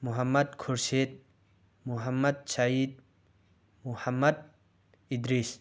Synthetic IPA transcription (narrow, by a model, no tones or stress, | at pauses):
muɦɐmːɐd̪̚kʰuɾset̪̚ | muɦɐmːɐd̪̚said̪̚ | muhɐmːɐd̪̚ | id̪ɾis